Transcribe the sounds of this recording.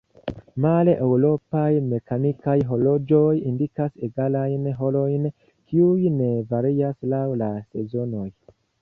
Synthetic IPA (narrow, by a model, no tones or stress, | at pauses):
maleʔewɾo̞pajme̞kanikajɦo̞lo̞d͡ʒo̞jindikaseɡalajnɦo̞lo̞jn | kʰiujne̞vaɾiaslawlase̞zo̞no̞j